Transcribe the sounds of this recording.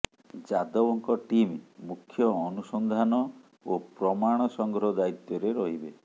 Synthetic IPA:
d͡ʒad̪ɔwɔŋkɔʈimmukʰːjɔːnusɔnd̪ʱanɔ | opɾɔmaɽ̃ɔsɔŋɡʱɾɔd̪ait̪jɔɾeɾɔɦibe

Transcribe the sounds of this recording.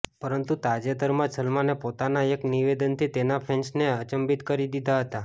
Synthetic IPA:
pəɾənt̪ut̪ad͡ʒed̪əɾmãsəlmanepot̪anaekniʋed̪ənt̪ʰit̪enapʰɛ̃nsneət͡ʃəmbit̪kəɾid̪id̪ʱaɦət̪a

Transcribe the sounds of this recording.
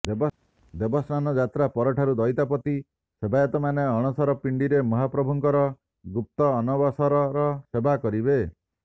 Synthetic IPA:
b | d̪ebɔsnanɔd͡ʒat̪ɾapɔɾɔʈʰaɾud̪ɔjt̪apɔt̪i | sebʱajat̪ɔmaneɔɽ̃ɔsɔɾɔpiɳɖiɾemɔɦapɾɔbʱuŋkɔɾɔ | ɡup̚t̪ɔːnɔbɔsɔɾɔɾɔsebʱakɔɾibe

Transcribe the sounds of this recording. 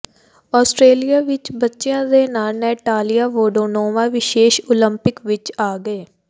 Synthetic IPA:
ɔːsʈɾeːlijaːʋɪt͡ʃbətːʃɪjãːd̪eːnaːlnɛːʈaːlijaːʋoːɖoːnoːmaːʋɪʃeːʃoːləmpɪkʋɪt͡ʃaːɡəeː

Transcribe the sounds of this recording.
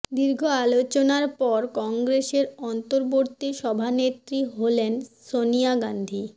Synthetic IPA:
d̪iɾɡʱoalot͡ɕonaɾpɔɾkɔŋɡɾeʃeɾɔnt̪oɾboɾt̪ːiʃɔbʱanet̪ɾiɦolensoniaɡand̪ʱi

